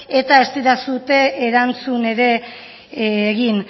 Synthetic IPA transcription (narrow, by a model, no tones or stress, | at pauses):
e̞t̪aest̪iɾasut̪e̞ʔːɾant͡sune̞ɾe̞ | ɣin